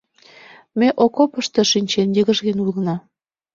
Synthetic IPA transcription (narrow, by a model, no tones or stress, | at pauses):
meʔokopə̆ʃt̪ɤ̆ʃinʲt͡ɕenjiɣə̆ʒɣenulənɑ